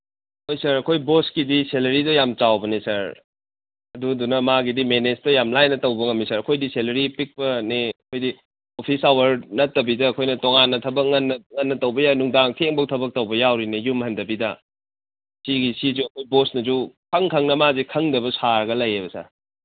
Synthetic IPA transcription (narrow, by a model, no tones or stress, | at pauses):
ojsɐɾɐkʰojboskidiselɐɾidɔjamt͡ʃawbɐnisɐɾ | ɐdudunɐmaɡidimenestojamlajnɐtɐwbɐŋɐmːisɐɾɐkʰojdiselɐɾipik̚pɐniɐkʰojdi | opʰisawɐɾnɐtːɐbidɐːkʰojnɐtoŋanːɐtʰɐbɐk̚ŋɐnːɐŋɐnːɐtɐwbɐjawnuŋdaŋtʰeŋbɐktʰɐbɐk̚tɐwbɐjawɾinɐjumɦɐndɐbidɐ | siɡisizuɐkʰojbosnɐzukʰɐŋkʰɐŋnɐmazikʰɐŋdɐbɐsaɾɐɡɐlɐjebɐsɐ̰ɾ